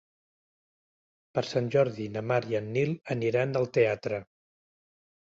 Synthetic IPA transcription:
pəɾsanʲʒɔɾðinəmaɾiənːilˠəniɾand̪əlˠt̪eat̪ɾə

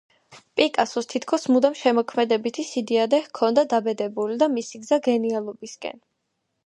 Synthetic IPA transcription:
pʼikʼasɔst̪ʰit̪ʰkʰɔsmud̪amʃɛmɔkʰmɛd̪ɛbit̪ʰisid̪iad̪ɛhkʰɔnd̪ad̪abɛd̪ɛbulid̪amisiɡzaɡɛnialˠɔbiskʼɛ̰n

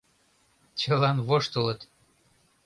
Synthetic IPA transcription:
t͡ɕəlɑnvoʃt̪olˠɤ̆t̪

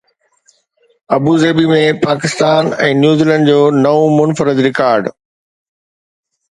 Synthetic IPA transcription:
ɐbuzeːbimẽpaːkɪst̪aːnɛ̃ːnjuːziːlə̃ɳɖd͡ʑoːnɐʋõmʊnfəɾɪd̪ɾɪkaːɾɖ

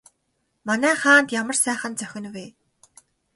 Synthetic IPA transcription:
manæːχaːnt̪jamə̆rsæːχə̆nt͡sœxʲɪ̆nweː

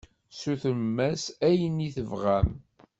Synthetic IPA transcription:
suθəmːæsæjəniθəvʁæm

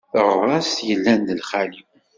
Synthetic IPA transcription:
θərˤːɑst̪jəlːænd̪əlχaliw

